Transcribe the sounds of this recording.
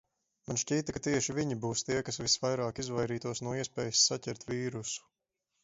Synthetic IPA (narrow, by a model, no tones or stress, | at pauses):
manʃcʲiːt̪akat̪iɛʃivʲiɲibuːst̪iɛkasvʲisvajɾaːkizvajɾiːt̪uɔsnuɔiɛspɛːjisːacʲɛɾt̪vʲiːɾusu̥